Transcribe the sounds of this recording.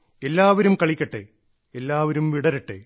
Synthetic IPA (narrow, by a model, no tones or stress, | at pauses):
elːaːʋɐɾumkɐɭikʲːɐʈːḛ | elːaːʋɐɾumʋiɽɐɾɐʈːḛ